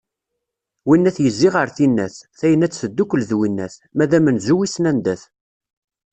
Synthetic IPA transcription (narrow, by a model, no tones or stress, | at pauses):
winːæθjəzːiʁəɾθinːæθθæjənæt͡sːθəd̪ːukəlðwinːæθmæðæmənzuwisnænd̪æθ